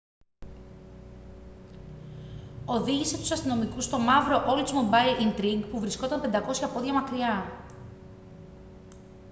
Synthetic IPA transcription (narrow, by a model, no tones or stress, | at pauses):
o̞ðiʝise̞t̪u̥sɐst̪ino̞mikust̪o̞mɐvɾo̞ʔolzmubɐilint̪ɾiɡpuvɾisko̞t̪ɐmpe̞nd̪ɐko̞sçɐpo̞ðʝɐmɐkɾiɐ